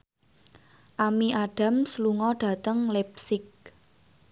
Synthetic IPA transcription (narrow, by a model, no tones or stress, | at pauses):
ʔamiʔaɖ̥a̤msluŋɔɖ̥ä̤t̪əŋlɛp̚sɪk̚